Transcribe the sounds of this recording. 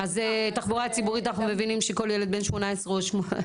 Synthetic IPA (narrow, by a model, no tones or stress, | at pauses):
azet̪aχboʁat͡sibuʁit̪anaχnumevinimʃeko̞ljeled̪benʃmo̞naesʁeoʃmo